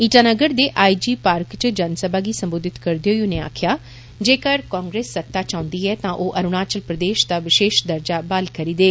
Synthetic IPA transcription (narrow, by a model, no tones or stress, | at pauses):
iːʈaːnəɡəɾd̪eːʔaːid͡ʒiːpaːɾkt͡ʃd͡ʒənsəbʱaːɡiːsə̃mboːd̪ɪt̪kəɾd̪eoːiʊneːa̰ːkʰɪjaː | d͡ʒeːkəɾkãːŋɡɾeːsːət̪ːaːt͡ʃãːʊ̃nd̪iːɛːt̪ãːʔoːʔəɾʊɽaːt͡ʃəlpɾəd̪eːʃd̪aːʋɪʃeːʃd̪əɾd͡ʒaːbaːlkəɾiːd̪eː